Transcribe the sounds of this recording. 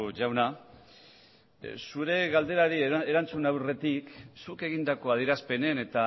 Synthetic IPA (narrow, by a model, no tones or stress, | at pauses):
ʝawna | suɾe̞ɣald̪e̞ɾaɾieɾant͡sunawre̞t̪iksuke̞ɣind̪ako̞að̞iɾaspe̞ne̞ne̞t̪a